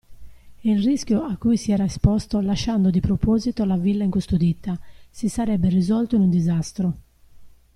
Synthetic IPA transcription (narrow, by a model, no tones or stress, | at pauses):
ilriskʲjoakːujsiɛːɾaespɔst̪olaʃːand̪od̪ipɾopɔːzit̪olavilːaiŋkust̪od̪it̪ːasisaɾɛbːerizɔlt̪oinund̪izast̪ɾo